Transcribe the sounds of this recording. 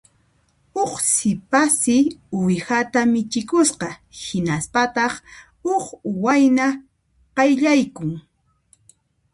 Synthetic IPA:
oχsɪpasɪʊjhat̪amɪt͡ʃɪkʊsqɑhɪnaspat̪ɑχ | oχwajna | qɑjʎajkʊŋ

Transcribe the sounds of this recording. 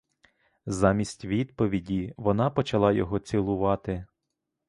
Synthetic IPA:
zɑmʲisʲtʲʋʲid̪pɔʋʲidʲiʋɔnɑpɔt͡ʃɐlˠɑjɔɦɔt͡sʲɪlˠʊʋɑt̪ɪ

